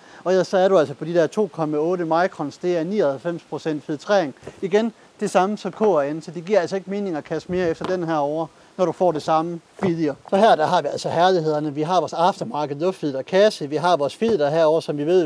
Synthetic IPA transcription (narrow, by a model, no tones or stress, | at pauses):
ɒ̽sɒ̽æɐɾuælsɒpʰɒ̽d̥id̥eɐ̰t͡sʰo̝̰ːkʰɒ̽mæɔ̽ːɾəmɑ̈ɪkʰʁɒ̽nsd̥e̝æɐnḭːɐhælfem̰spʰʁo̝sen̰d̥fiðˠt͡sʰʁɛ̰ɐeŋiɡ̥en | d̥e̝sɑ̈məsɒ̽mkʰɔ̰ːæensɒ̽d̥e̝ɡ̥iɐ̰ælsɒ̽e̝ɡ̥əme̝ːne̝ŋɐɒkʰæsme̝ːɐefd̥ɐd̥enɦæɐ̰ɒʊ̰ɐ | nɒɾ̥ufɒ̰ːd̥esɑ̈məfið̰ˠjɐsɒ̽ɦæɐ̰d̥ɑɦɑ̈ʋiæl̰sɒhæɐliɦe̝ð̞̰ˠɐnəʋiɦɑ̈ʋɒːsɑfd̥ɐmɑ̈ːɡ̥əð̩ˠɔfd̥fið̰ˠɐkʰæsəʋiɦɑ̈ʋɒːsfiðˠɐɦæɐɒʊ̰ɐsɒ̽mʋiʋe̝ð̰